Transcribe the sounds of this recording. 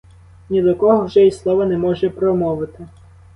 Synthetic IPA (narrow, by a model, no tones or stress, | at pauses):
nʲid̪ɔkɔɦɔwʒɛjislˠɔʋɐnɛmɔʒɛpɾɔmɔʋɪt̪ɪ